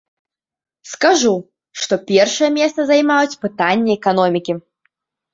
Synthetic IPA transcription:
skaʐu | ʂt̪ɔpʲɛrʂɨjɛmʲɛst̪sɐzajmajut͡sʲpɨt̪anʲːɛɛkanɔmʲikʲi

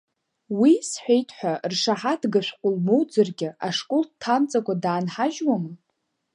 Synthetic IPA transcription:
wisħʷᶣejtʼʰħʷᶣarʂaħadɡaʃʷᶣqʷʼʊlmowd͡zɨrɡʲɪʔaʂkʼoltʰamt͡sʼakʷadaːnħaʒwamɨ

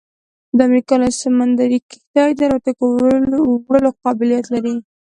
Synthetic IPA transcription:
d̪əamɾikɑlasamand̪aɾikɪ̥t̪ɑjd̪aɾat̪ak | wɽəloqɑbɪlijat̪laɾi

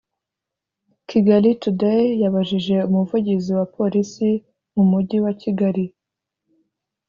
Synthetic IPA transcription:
ciɡaɾitudejaβaʒiʒe̞umuvuɟiziwapʰo̞ɾisi | mumudɟiwaciɡaɾi

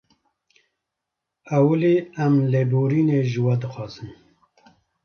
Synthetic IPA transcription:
awuliːamlebuːɾiːneːʒɨwɐd̪ɨxɑːzɨm

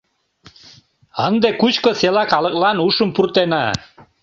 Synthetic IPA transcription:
ənd̪ekut͡ɕkoselɑkɑlə̆k̚lɑnuʃəmpurt̪enɑ

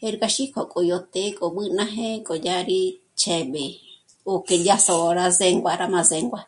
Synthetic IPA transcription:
eɾkaʃikʰokʼojot̪ekʼoɓɨnãɦẽkʼod͡ʒaɾi | t͡ʃeɓe | oked͡ʒasooɾazeŋɡʷaɾamãzeŋɡʷa

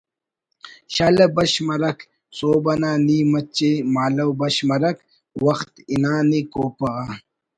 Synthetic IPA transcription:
ɕalɐbɐɕmɐɾɐk | t͡soːbɐnaːniːmɐt͡ɕemaːlɐwbɐɕmɐɾɐk | wɐxt̪inaːnikoːpɐɣa

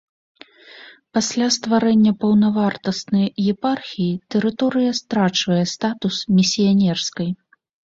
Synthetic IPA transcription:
pasʲlʲast̪vaɾɛnʲːɐpɐwnɐvart̪ɐst̪nɐjjɛparxʲijit̪ɛɾɨt̪ɔɾɨjɐst̪ɾat͡ʂvɐjɛst̪at̪usmʲisʲijanʲɛrskɐj

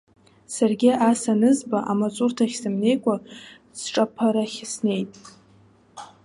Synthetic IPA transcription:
sarɡʲɪasanɨzbaʔamat͡sʼurtʰaχʲsɨmne̞jkʷʼa | sʈ͡ʂʼapʰaɾaχʲsne̞jtʼ

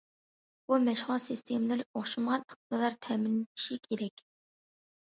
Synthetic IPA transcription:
bumɛʃʁʊlˠsɨst̪ʰemlɪɾɪoχʃɨmʁɑnə̥q̚d̪ɨlˠɑɾt̪ʰɛːmɪnɪʃikʲʰeɾɛkʲ

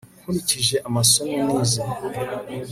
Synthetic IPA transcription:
kuɾiciʒe̞ʔamasonemiːza

